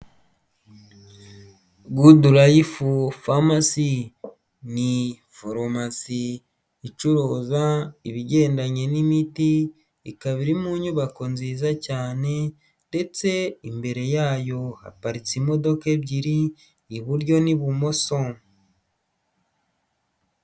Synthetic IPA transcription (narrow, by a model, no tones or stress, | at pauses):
ɡuduɾajifufamasi | ni | foɾomasiː | t͡ʃuɾoːzaiβiɟe̞ːndaɲe̞nimiti | ikaβiɾimuɲuβako̞nziːzacaːne̞ | nde̞t͡se̞imbe̞ɾe̞jaːjo̞ha̰paɾit͡simo̞do̞ke̞βɟiɾiː | βuɾɟo̞niβumo̞so̞